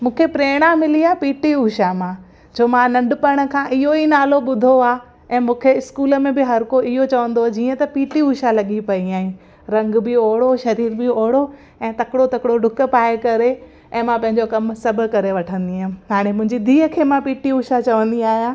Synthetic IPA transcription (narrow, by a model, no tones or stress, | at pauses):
mũːkʰepɾeːɽ̃amɪliaːpiːʈiuːʃamãː | d͡ʑoːmãnɐ̃ɳɖpɐɽ̃ə̆kʰãːʔɪɦoinaːloɓʊd̪ʱoaː | ɛ̃ːmũːkʰeɪskuːlə̆mẽbɪɦɐɾkoɪɦot͡ɕɐʋə̃nd̪od͡ʑiːə̃t̪ɐpiːʈiuːʃalɐɠipɐiaːɦiũ | ɾɐ̃ŋɡbɪoːɦɪɽoʃɐɾiːɾbɪoːɦɪɽo | ɛ̃ːt̪ɐkɽot̪ɐkɪɽoɖʱʊk̆paːekɐɾe | ɛ̃ːmãpɐ̃ɦɪ̃ɲd͡ʑokɐmsɐbʱʊ̆kɐɾeʋɐʈʰə̃nd̪iɦãɦaːɽ̃emʊ̃ɦɪ̃ɲd͡ʑid̪ʱiːɦəkʰeːmãpiːʈiuːʃat͡ɕɐʋə̃nd̪iaːɦijãː